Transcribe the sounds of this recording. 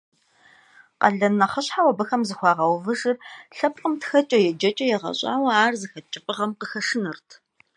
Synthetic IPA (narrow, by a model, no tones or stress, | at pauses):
qɐ̰ɮɐnɐχɐɕħawɐbɨxɐmzɨxʷɑːʁɐwvɨʒɨrɬɐpqʼəmtʰxɐt͡ʃʼɐjɛd͡ʒɐt͡ʃʼɐjɛʁɐ̰ɕʼa̰ːwɐaːrzɨxɐt͡ʃʼɪpʼɨʁɐmqəxɐʂɨnɨrtʰ